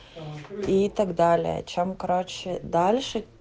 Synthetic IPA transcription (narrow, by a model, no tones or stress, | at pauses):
it̪ɐɡd̪alʲɪ̰jə̰t͡ɕɛmkɐɾot͡ɕɪd̪alʲʂɨ